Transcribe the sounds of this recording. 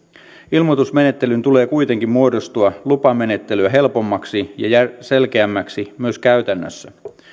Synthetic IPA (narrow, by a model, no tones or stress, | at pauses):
ilmot̪usme̞ne̞t̪ːe̞lynt̪ule̞ːkujt̪e̞ŋkimmuodost̪uɑlupɑme̞ne̞t̪ːelyæɦe̞lpo̞mːɑksijɑ̰jæse̞lk̟eæmːæksimyøskæɥt̪ænːø̰sːæ